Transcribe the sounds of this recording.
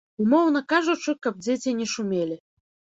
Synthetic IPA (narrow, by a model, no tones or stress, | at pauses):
umɔwnɐkaʐut͡ʂɨkab̚d͡zʲet͡sʲinʲɛʂumʲelʲi